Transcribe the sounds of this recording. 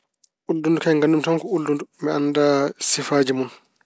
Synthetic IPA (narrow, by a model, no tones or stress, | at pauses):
ʔuldundukaŋɡandumtamkɔuldundumbɛanːdasifaːd͡ʒimun